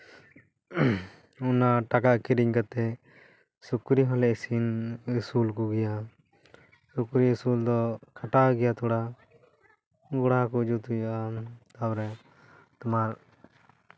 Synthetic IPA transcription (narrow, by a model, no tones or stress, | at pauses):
unaʈakaʔkiɾiɲkat̪ɛ | sukɾiɦɔlɛsinsulkuɡɛja | sukɾisuld̪ɔkʰaʈaɡɛjat̪ʰɔɽa | ɡɔɽakud͡ʒut̪ujaʔat̪awɾɛ | t̪ɔmaɾ